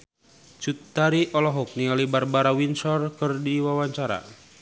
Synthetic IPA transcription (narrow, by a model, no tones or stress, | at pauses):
t͡ʃut̪ːaɾiʔɔlɔɦɔk̚nialibarbaɾawinsɔrkɨrdiwawaɲt͡ʃaɾa̰